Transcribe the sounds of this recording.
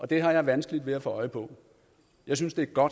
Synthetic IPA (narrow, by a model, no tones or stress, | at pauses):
ʔɒ̽d̥e̝ɦɑ̈jɑ̈ɪʋænsɡ̥lid̥ʋe̝æfɔɒ̽ɪpʰɒ̽ | jɑ̈ɪs̬ynsd̥e̝æɐɡ̥ɒ̽d̥